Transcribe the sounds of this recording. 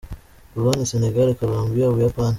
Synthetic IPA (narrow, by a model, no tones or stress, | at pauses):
kulwaniseneɡalkolombiawijapan